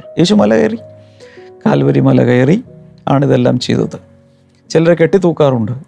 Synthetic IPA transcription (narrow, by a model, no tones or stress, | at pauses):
jeːɕumɐlɐkɐ̰jɐri | ka̰ːlʋɐɾimɐlɐ̰kɐjɐri | aːɳiðelːa̰ːmt͡ɕḛjðṵt̪ːɨ | t͡ɕilɐreke̞ʈːit̪uːkːaːruɳɖɨ